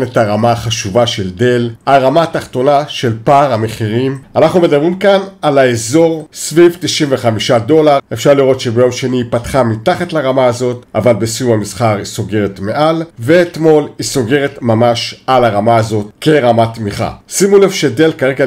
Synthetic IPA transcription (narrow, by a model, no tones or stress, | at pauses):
netaʁamaːχaʃuvaʃe̞lde̞laʁamataχt̪o̞naʃe̞lpaːʁhameχiʁimanaχnume̞dabʁimkanalaezo̞ʁsvivt̪iʃimveχamiʃado̞laʁe̞fʃaʁliʁo̞t̪ʃebejo̞mʃe̞niːpatχamitaχatlaʁamaazo̞t̪ʔavalbesijumamisχaʁisoɡe̞ʁetme̞ʔalve̞ːtmo̞lhiso̞ɡe̞ʁetmamaʃalaʁamaːzo̞tke̞ʁamat̪miχa̰simulevʃede̞lkaʁeɡa